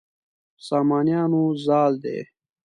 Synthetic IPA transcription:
saːmaːnijaːnuzaːld̪ḛː

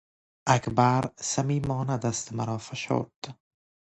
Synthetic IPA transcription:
akbaɾsamiːmɒːnad̪ast̪maɾɒːfaʃo̰ɾt̪

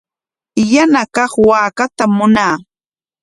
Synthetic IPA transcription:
janakɑχwaːkat̪amːʊnaː

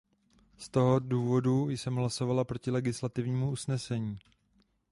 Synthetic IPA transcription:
st̪o̞ɦo̞duːvo̞dujsɛmɦlaso̞valapɾo̞cɪlɛɡɪslat̪ɪvɲiːmuusnɛsɛɲiː

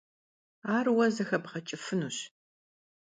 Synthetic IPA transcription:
aːrwɐzɐxɐbʁɐt͡ʃʼɪfɨnuɕ

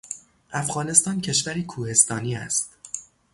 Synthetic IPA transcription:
ʔæfɣɒːne̞st̪ɒːncʰe̞ʃvæɾiːkʰuːhe̞st̪ɒːniːæ̰st̪

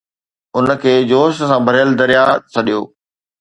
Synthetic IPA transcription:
ʊnəkʰeːd͡ʑoːʃəsãːbʱɐɾjəld̪ɐɾijat͡ɕʰɐɗijoː

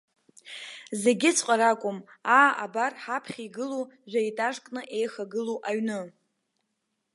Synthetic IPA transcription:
ze̞ɡʲɪt͡sʰqʼaɾakʷʼʊm | aːabarħapʰχʲiɡɨluʒʷᶣaitʼaʂkʼnɨʔe̞jxaɡɨluʔaɥnɨ

